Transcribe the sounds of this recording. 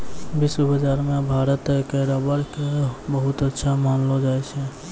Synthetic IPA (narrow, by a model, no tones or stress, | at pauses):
bisbəd͡ʒaɾmẽbʱaɾət̪kəɾabəɽkebəɦut̪ətːʃʰamamlod͡ʒajt͡ʃʰɛ